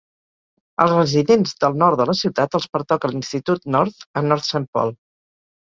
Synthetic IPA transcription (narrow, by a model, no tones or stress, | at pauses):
ə̰lˠzrəziðenzðəlˠnɔɾt̪d̪ələsiwt̪at̪əlˠspəɾt̪ɔkəlinst̪it̪ut̪nɔɾt̪ənːɔɾt̪səmpɔ̰lˠ